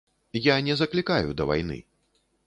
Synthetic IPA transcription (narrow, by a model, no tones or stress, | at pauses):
janʲɛzɐklʲikajṵd̪ɐva̰jn̪ɨ̰